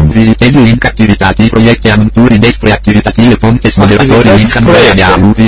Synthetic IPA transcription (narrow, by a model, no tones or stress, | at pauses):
vizit̪end̪uiŋkak̚t̪ːivit̪at̪ipɾojɛk̚t̪eamunt̪uːɾid̪ɛspleak̚t̪ːivit̪at̪iːvefont̪esmod̪evat̪oːɾiiŋkand̪jaːluvi